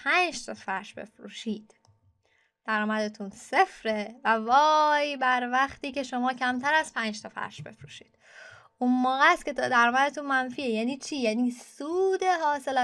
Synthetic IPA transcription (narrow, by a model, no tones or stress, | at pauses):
pʰæːnd͡ʒt̪ʰɒfæɾʃbe̞̰fɾuːʃiːd̪̥ | d̪̥æɾɒːmæd̪et̪ʰunse̞fɾevævɒːjbæɾvæxt̪iːce̞ʃo̞mɒːcʰæmt̪ʰæɾæz̥pʰæːnd͡ʒt̪ʰɒfæ̰ɾʃb̥e̞̰fɾuːʃi̥ːd̪̥ | ʔunmoːɣæst̪cʰʲe̞t̪ʰːd̪æɾɒːmæd̪et̪ʰunmænfiːejæːniːt͡ʃʰiːjæːniːsuːd̪e̞ɦɒːse̞læ